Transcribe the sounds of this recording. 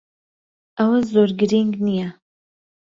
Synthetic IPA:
ɐwazoɾɡɨɾiŋɡnijɛ

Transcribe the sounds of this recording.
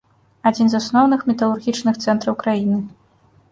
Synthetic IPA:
ad͡zʲinzasnɔwnɨxmʲɛt̪ɐlˠurɣʲit͡ʂnɨxt̪sɛnt̪ɾɐwkɾajinɨ

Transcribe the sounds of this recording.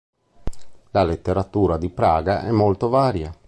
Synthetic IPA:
lalet̪ːeɾat̪uːɾad̪ipɾaːɡaʔɛmːolt̪ovaːɾja

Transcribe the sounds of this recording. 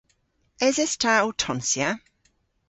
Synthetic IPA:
ɛzɛstʰautʰɔnsja

